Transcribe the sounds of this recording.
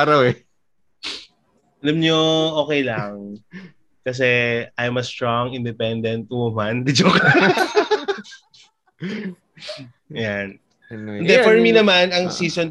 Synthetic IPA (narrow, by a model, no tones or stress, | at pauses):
ɾɐwɛ | ʔɐlɐmɲoʔo̞ːkɛjlɐŋ | kɐs̬ɛajmɐst̪ɹoŋɪnd̪ɛpɛnd̪ɛnt̪̚omand̪id͡ʒok | jan | ʔnd̪ɛfɔɹminɐmanɐŋsiːson